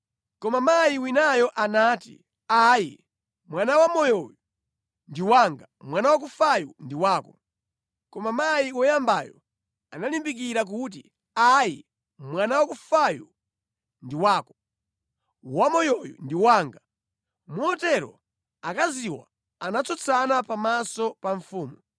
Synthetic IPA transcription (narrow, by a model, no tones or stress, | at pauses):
kɔmamajiwinajɔʔanaːtḭ | ajḭ | mwanawamɔjɔju | ndiwaŋɡamwanawak̬ufajundiwaːkɔ | kɔmamajiwɔjambajɔ̰ | analimbik̬iɾak̬ut̬ḭ | aji | mwanawakufaju | ndiwaːkɔ̥ | wamɔjɔjṵndiwaːŋɡa | muɔtɛɾɔ̰ | akaziwa̰ | anat͡sʰɔt͡sʰanapamasɔpaɱfuːmu